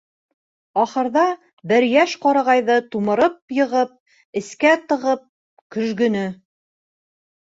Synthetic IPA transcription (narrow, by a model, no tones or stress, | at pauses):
ɒχɤ̆ɾðɑ | bɘɾjæʃqɑɾɑʁɑjðɤt̪umɤ̆ɾɤp̚jɤ̆ʁɤp̚ | ɘ̆skæt̪ɤ̆ʁɤp̚ | kɵ̆ʒɡɵ̆nɘ